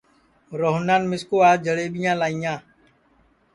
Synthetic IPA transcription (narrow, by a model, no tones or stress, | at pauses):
ɾoːɦnaːnmɪskoːaːd͡ʒʱəɽeːɓɪjãːlaːijãː